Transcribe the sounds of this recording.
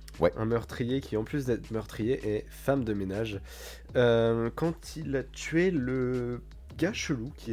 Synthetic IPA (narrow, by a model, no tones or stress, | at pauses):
ʔɛ̰̃mœʁt̪χijekʲiɑ̃plys̬d̪ɛt̪χmœʁt̪χijeʔɛ | famd̪əmenaʒ | økɑ̃t̪ʰilat̪ɥelə | ɡʲaʃəlukʲʰi